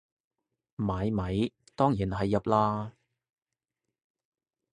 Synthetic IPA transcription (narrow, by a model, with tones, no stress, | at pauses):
maː˨˥jmɐ˨˥j | t̪ɔː˥ŋjiː˨˩nɦɐ˨jːɐ˨p̚laː˧